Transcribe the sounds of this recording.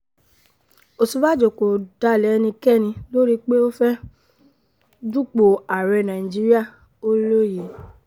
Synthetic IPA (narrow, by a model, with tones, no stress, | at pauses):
o˨su˨˦ba˦˨d͡ʒo˨ko˨d̥a˨˦˨lɛ˨˦˧nĩ˧kɛ˦˨nĩ˧lo˦ɾi˦k͡pe˦o˦fɛ˦ | d͡ʒu˦k͡po˨a˨ɾɛ˧nã˨ĩ˨d͡ʒi˦ɾi˦a˦˨ | o˦lo˦je˨